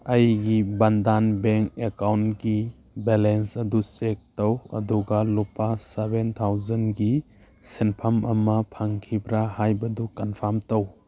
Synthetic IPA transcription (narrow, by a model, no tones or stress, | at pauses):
ɐjɡibandanbeŋkekawntɡi | belensɐdusek̚tɐwɐ̰duɡalupasebent̪ʰawzɐnɡi | senpʰamɐmɐpʰaŋkʰibɾahajbɐdukanpʰamtɐw